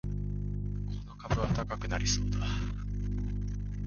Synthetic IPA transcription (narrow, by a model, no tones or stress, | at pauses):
kʰo̞no̞kabɯ̟βat̪akakɯ̟naɾʲiso̞ːd̪a